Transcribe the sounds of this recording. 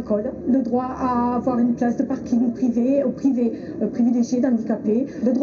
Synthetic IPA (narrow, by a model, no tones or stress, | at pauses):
kɔlləd̪ʁwaavwaʁynplasd̪əpaʁkʲĩŋpχiveopχive | pχivileʒjed̪ɑ̃d̪ikapeləd̪ʁw